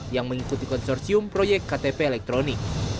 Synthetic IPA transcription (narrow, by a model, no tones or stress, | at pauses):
jaŋməŋikut̪ikɔnsɔrsiʊmpɾojɛk̚t̪kat̪epeːlɛk̚t̪ɾonɪk̚